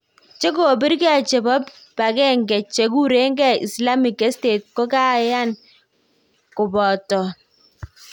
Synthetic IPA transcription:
t͡ʃe˦ko˨bi˦ɾke˦a˨t͡ʃɛ˨bɔ˦p | ba˨kɛ˦ŋɡɛ˨t͡ʃe˨ku˦ɾe˦ŋɡɛ˦ḭ˨sla˦mi˨kɛ˦ste˨t̚kɔ˦ka˦ja˦˨n | kʊ˨bɔ˨tɔ˨

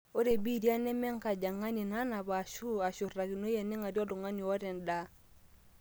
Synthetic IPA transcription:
o˦ɾe˨bi˦di˦a˦nɛ˦mɛ˦ŋka˨d͡ʒa˨ŋa˦ni˨na˦na˨ba˨ʃu˦a˨ʃu˨ra˨ɡi˨no˦jɛ˨nɛ˦ŋa˨djɔ˦du˨ŋa˦ni˨ɔ˦ɾɛ˨nda˦

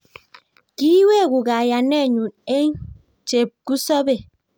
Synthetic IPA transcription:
ki˦we˦˨ɡu˨ɣa˨ja˨nɛ˦˨ɲu˨ne˦ɲ | t͡ʃe˨p̚ku˦sɔ˦be˨

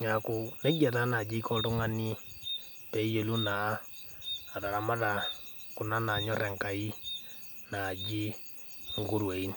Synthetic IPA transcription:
ɲakune˦ɡa˨ta˦na˨d͡ʒi˦kɔ˦ɾu˦ŋa˦ni˦ | pe˦je˨lu˦na˨˦˨ | ɾa˨ɾa˨ma˦ða˨ | ku˨na˦na˨ɲɔ˦ɾɛ˨ŋkai˦ | nad͡ʒi˦ | ŋɡu˦ɾwe˨ini

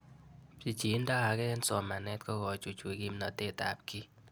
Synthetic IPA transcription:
pi˨t͡ʃi˨˦nda˦ha˨ɡɛ˦nsɔ˨ma˨nɛ˦tkɔ˦ɡɔ˨t͡ʃo˨t͡ʃwe˨ɡi˦mnɔ˨te˦ta̰˨p̚ki˦

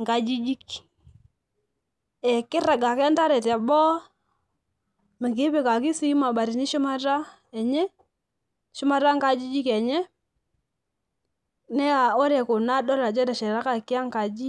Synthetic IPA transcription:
ŋɡa˨d͡ʒi˦d͡ʒi˦k | ɛ˨kɪ˦ɾa˨ɡa˨kɛ˦nta˦ɾɛ˨ta˨bɔ˦ | me˨ki˦pe˨ka˨k̬i˦si˦ma˨ɓa˨ɾi˨ni˦ʃɔ˦ma˦ɾa˦ | ɛ˨ɲɛ˦ | ʃʊ˦ma˦ɾa˦ŋɡa˦d͡ʒi˦d͡ʒi˦kɛ˨ɲɛ˦ | nɛ˦a˨o˦ɾɛ˨ko˨na˦dɔ˦ɾa˨d͡ʒɛ˦ɾɛ˨ʃɛ˨ɾa˦ka˦˨ki˦a˦ŋka˨d͡ʒi˦

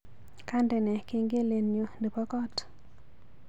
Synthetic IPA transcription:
ka˦ndɛ˨nɛ˨ke˦ŋɡe˦le˨njo˨ndə˨pɔ˦kɔ˦t

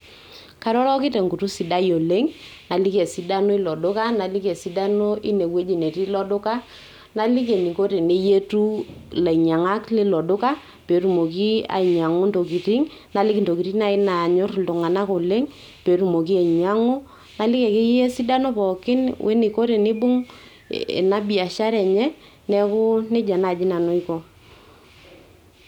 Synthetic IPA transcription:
ka˦ɾɔ˦lɔ˦kɪ˦te˨ŋɡu˨tu˦si˨da˦jo˨le˦ŋna˨li˦kɛ˨si˨da˦no˦i˦lɔ˨dʊ˦ka˦na˨li˦kɛ˨si˦da˦no˦ʔi˦ne˨we˦d͡ʒi˨ne˨ti˦lɔ˦dʊ˦ka˦ | na˨li˦ke˨ni˨ko˦ɾe˨ne˦je˦tu˦la˨ɲa˨ŋa˦kle˦lɔ˨dʊ˦ka˦ | pe˨˦tu˨mo˨k̬i˦a̰˨i˨ɲa˨ŋo˦nto˨ki˨ti˦ŋna˨lɪ˦knto˨ki˨ɾi˦na˨ɪ˦na˨ɲʊ˦rtʊ˨ŋa˨na˦kʊ˨lɪ˦ŋ | pe˨ɾu˨mo˨k̬i˦a˨ɲa˦ŋʊ˦ | na˨lɪ˦kɛ˨ke˦je˦si˦da˦no˦pɔ˨kɪ˦nwʔḛ˦ni˨ko˦ɾe˨nɪ˦bʊ˦ŋ | ḛ˨na˦bi˨a˨ʃa˦ɾɛ˨ɲɛ˦ | nɛ˦kʊ˦nɪ˦d͡ʒa˨na˨d͡ʒɪ˦na˨no˦ikɔ˨

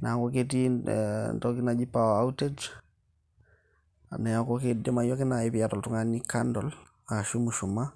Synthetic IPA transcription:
na˨a˨kɔket̬i | ntɔki˦nad͡ʒi˦pawa˦u˦te˦d͡ʒ | a̰˨nɛ˨jako˦kedɛ˦majɔ˦kɪ˦na˨ɪbi˨atɔ˨ltu˦ŋanikandɔ˨l | ka˨ʃu˦muʃu˨ma˦

